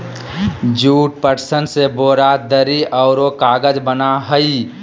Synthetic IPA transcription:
d͡ʒuːʈ̚pəɾsənseboːɾad̪əɾiɔːɾokaːɡəd͡ʒbənaɦəi

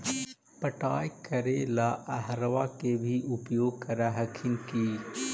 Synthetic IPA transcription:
pəʈaːjkɐɾelaʔɐɦɾʋakebʱiʔʊpjoːɡ̚kɐɾaɦəkʰɪnkiː

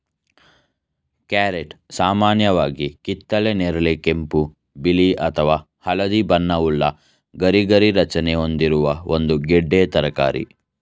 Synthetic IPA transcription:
kaːɾeʈsaːmaːnjɐʋaːɡikit̪ːɐleneɾɐlekempu | biliʔɐt̪ʰɐʋaː | hɐlɐd̪ibɐnːɐuɭːɐ | ɡɐɾiɡɐɾiɾɐt͡ʃɐneo̞nd̪iɾuʋɐond̪uɡɛɖːeːt̪ɐɾɐka̰ːɾḭ

